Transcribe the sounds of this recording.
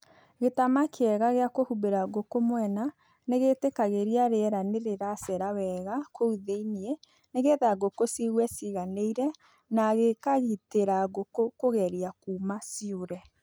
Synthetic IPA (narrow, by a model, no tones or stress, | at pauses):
ɣetamakʰeɛɣaɣeakohubeɾaɡokomwɛna | neɣetekaɣeɾiaɾeɛɾaneɾeɾasɛɾawɛɣakʰouðeinie | neɣeðaɡokosiɣwɛsiɣaneiɾɛ | naɣekaɣiteɾaɣokokoɣɛɾiakuːmasioɾɛ